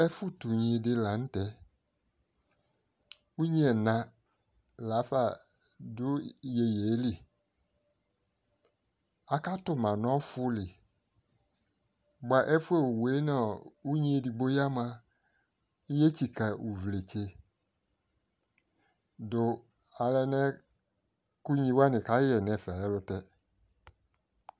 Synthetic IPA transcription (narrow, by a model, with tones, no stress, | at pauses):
ɛ˦fʊ˦t̪u˨ɲĩ˨dɪ˦la˨n̩˦t̪ɛ˦ | u˦ɲĩ˦ɛ˨nã˨ | la˨˦fa˨ | dʊ˦je˨je˨˦li˦ | a˨ka˦t̪ʊ˦mã˨nɔ̃˦fʊ˦lɪ˨ | ɡ͡ba˨ʔɛ˦fu˦e˦˨wu˨we˦na˦˨u˦ɲĩ˦e˨di˨ɡ͡bo˦ja˦mã˧ | i˦je˦t͡ʃi˨ka˨u˨vle˨t͡ʃe˨ | dʊ˨ | a˨lɛ˧nɛ̃˦ | ku˦ɲĩ˧wa˦nɪ̃˨ka˦ɛ˨nɛ̃˨fa˨lɛ˦lʊ˧tɛ˦